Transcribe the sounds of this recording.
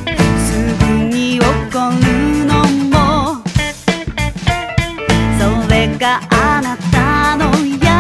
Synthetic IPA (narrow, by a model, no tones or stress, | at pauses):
sɯɡɯɲiokːonɯnommo | soɾeɡaʔanat̪ːanoja